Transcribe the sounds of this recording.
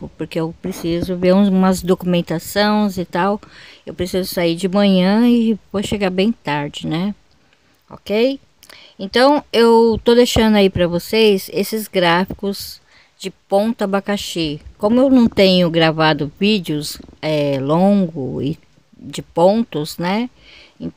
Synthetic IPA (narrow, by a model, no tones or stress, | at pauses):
ʊpoɾkeewpɾesizʊveɾũũmɐzd̪okumẽnt̪asõw̃zɪt̪awewpɾesizʊsaid͡ʒɪmɐ̃ɲɐ̃ɪvoʃeɡaɾbẽj̃t̪aɾd͡ʒɪnɛ | ɔ̰kej | ẽnt̪ɐ̃w̃ewt̪od̪ejʃɐ̃nd̪ʊaipɾɐvosejzesɪzɡɾafi̥kʊz̥ | d͡ʒɪpõnt̪ɐbakaʃekõmʊewnɐ̃w̃t̪ẽɲʊɡɾavad̪ʊvid͡ʒɪʊzɛlõŋɡʊɪ̰ | d͡ʒɪpõt̪ʊznɛ | ẽ